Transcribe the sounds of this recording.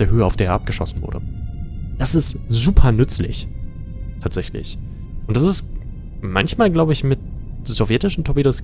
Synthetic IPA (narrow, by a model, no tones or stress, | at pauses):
d̥eːɐɦøːəaʊfd̥eːɐeɐʔap̚ɡ̥əʃɔ̰sn̩vʊ̰ɐdə̰ | d̥asɪstz̥uːpʰɐnʏt͡slɪ̰ç | tʰaːtz̥ɛçlɪ̰ç | ʔʊntd̥asɪst | mançmaːlɡlaʊbəɪçmɪt̚ | z̥ovjɛtɪʃn̩tʰɔbidos